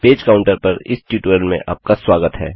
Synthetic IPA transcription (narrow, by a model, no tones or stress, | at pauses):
peːd͡ʒkaːʊ̃ɳʈəɾpɐɾɪ̰sʈuːʈuəlmḛ̃ʔa̰ːp̚kaswaːɡət̪ɦɛ̰ː